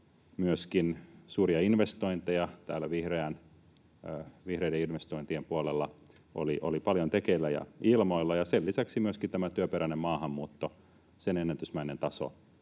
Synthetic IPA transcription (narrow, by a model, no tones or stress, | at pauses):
myøskinsuːriɑinʋest̪oint̪ejɑt̪æ̰ːlːæʋihreæn | ʋihrejdeinʋest̪oint̪iempuolelːɑ | o̰liʔo̰lipɑljont̪ekeilːæjɑ̰ilmoilːɑjɑselːisæksimyøskit̪æmæt̪yøpeɾænemmɑːhɑmːuːt̪ːo | senenːænt̪ysmæinent̪ɑso̰